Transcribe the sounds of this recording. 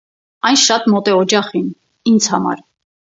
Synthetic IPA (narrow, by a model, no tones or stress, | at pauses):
ɑjnʃɑt̪mɔt̪ɛɔd͡ʒɑχin | ind͡zhɑmɑ̰ɾ